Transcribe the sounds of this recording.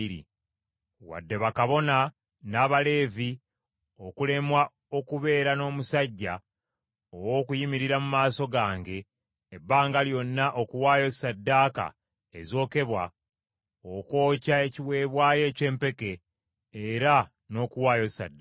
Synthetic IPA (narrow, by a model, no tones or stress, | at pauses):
ɾḭ | wa̰dːe̞βakaβo̞na | naːβale̞ːvi | o̞kule̞mwa | o̞kuβe̞ːɾano̞ːmusaɟːa | owo̞ːkujimiɾiɾamumaːso̞ɡaːŋɡe̞ː | bːaːŋɡaljo̞nːaʔo̞kuwaːjo̞sadːaːka̰ | ezo̞ːke̞βwa | oko̞ːcaeciwe̞ːβwaːje̞ce̞ːmpe̞ke̞ː | ɾa | no̞ːkuwaːjosa̰dːa